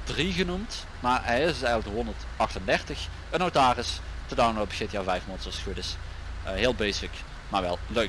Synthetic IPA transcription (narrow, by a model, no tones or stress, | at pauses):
d̥riɣənumt | maːɹɛɪsɪɛjɣənləkdəɦɔndəɹt | ɑxtəndɛrtəx | ənowtaːrɪstədawnlot̚bəxɪtjaːvɛjfmontsɔsudɪs | ɦɪːlˠbejsɪk | maːɹʋɛ̰lˠløɥk